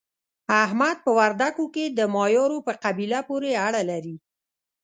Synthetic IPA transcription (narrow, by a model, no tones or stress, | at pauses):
aɦmad̪̚pəwaɾd̪akoked̪əmɑjɑɾopəqabilapoɾeaɽalaɾi